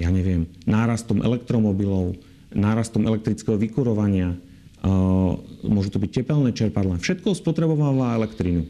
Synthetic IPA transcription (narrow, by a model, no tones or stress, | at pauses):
jaːɲɛʋɪɛmnaːɾast̪ɔmʔɛ̰lɛkt̪ɾɔmɔbilɔʊ | naːɾast̪ɔmʔɛ̰lɛk̚t̪ɾit͡skɛɦɔʋikuɾɔʋaɲɪa | mʊɔʒut̪ɔbic̚cːɛpɛlnɛːt͡ʃɛɾpad̪lafʃɛt̪kɔspɔt̪ɾɛbɔʋaʋaɛlɛkt̪ɾinu